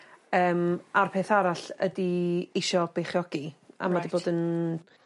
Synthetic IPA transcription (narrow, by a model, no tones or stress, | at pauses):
əːmarpʰeːθaɾaɬə̰diɪʃɔb̥ejχjɔɡia̰madiboːdən